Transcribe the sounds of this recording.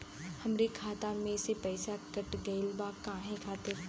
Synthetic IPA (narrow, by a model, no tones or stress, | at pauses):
hɐmɾekʰaːt̪ãmẽsepɛɪsakɐʈɡəɪlbakãːɦẽkʰaːt̪eɾ